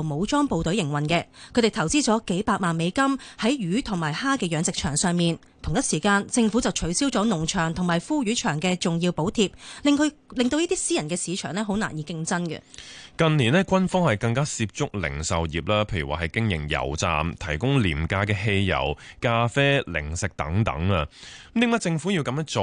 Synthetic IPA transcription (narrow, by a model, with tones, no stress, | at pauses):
wmo˨˧wt͡ʃɔː˥ŋpo˨wt̪ɵ˨˥ɥjɪ˨˩ŋwɐ˨nkɛː˧kʰɵ˨˧˥t̪e˨˩t̪ʰɐ˨˩wt͡siː˥t͡sɔː˨˥ke˨˥jpaː˧k̚maː˨nme˨˧jkɐ˥mhɐ˨˥jɥyː˨˥t̪ʰʊ˨˩ŋmaː˨˩jhaː˥kɛː˧jœː˨˧ŋt͡sɪ˨k̚t͡ʃʰœː˨˩ŋsœː˨ŋmiː˨n | t̪ʰʊ˨˩ŋjɐ˥t̚siː˨˩kaː˧nt͡sɪ˧ŋfu˨˥t͡sɐ˨wt͡ʃʰɵ˨˥ɥsiː˥wt͡sɔː˨˥nʊ˨˩ŋt͡ʃʰœː˨˩ŋt̪ʰʊ˨˩maː˨jfuː˥ɥyː˨˥t͡ʃʰœː˨˩ŋkɛː˧t͡sʊ˨ŋjiː˧wpo˨˥wt̪ʰiː˧p̚lɪ˨ŋkɵ˧lɪ˨ŋt̪o˧wjiː˥t̪iː˥siː˥jɐ˨nkɛː˧siː˨˧t͡ʃʰœː˨˩ŋnlɛː˥ɦo˨˥wna̰ː˨˩njiː˨˧kɪ˧˥ŋt͡sɐ˥nkɛ̰˧kɐ˨˧nniː˨˩nɛː˥kʷɐ˥nfɔː˥ŋhɐ˨jkɐ˧ŋkaː˥siː˧p̚t͡sʊ˥k̚lɪ̰˨˩ŋsɐ˨wjiː˨p̚laː˥pʰe˧jy˨˩waː˨hɐ˨jkɪ˥ŋjɪ̰˨˩ŋjɐ̰˨˩wt͡sa̰ː˨mt̪ʰɐ˨˩jkʊ˥ŋlḭː˨˩mkaː˧kɛː˧ɦe˧jjɐ̰˨˩wkaː˧fɛː˥lɪ̰˨˩ŋsɪ˨k̚t̪ɐ̰˨˥ŋt̪ɐ̰˨˥ŋaː˧m̩˦t̪iː˨˧˥mɐ˥t͡sɪ˧ŋfu˨˥ji˧wkɐ˨˦mœː˥ŋt͡so˨